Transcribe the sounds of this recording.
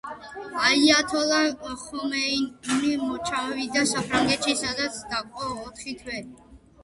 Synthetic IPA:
aiat̪ʰɔlaχɔmɛinimɔt͡ʃʰawid̪asapʰɾaŋɡɛt̪ʃisad̪at̪sʰd̪akʼɔːt̪ʰχit̪ʰwɛ

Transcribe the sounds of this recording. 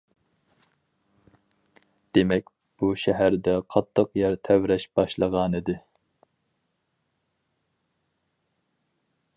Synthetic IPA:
d̪̥emɛkʲ | b̥uʃɛɦæɾd̪ɛqʰɑt̪ʰːəqjɛɾt̪ʰɛwɾɛʃb̥ɑʃlˠəʁɑnɨd̪ɨ

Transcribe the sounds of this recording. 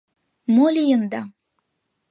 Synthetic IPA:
molʲijənd̪ɑ

